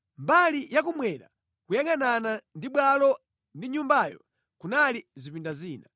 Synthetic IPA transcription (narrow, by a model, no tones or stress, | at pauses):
mbalijakumwɛɾa̰ | kujaŋananandiɓwalɔ | ndiɲumbajɔ̰ | kunalizipindaziːna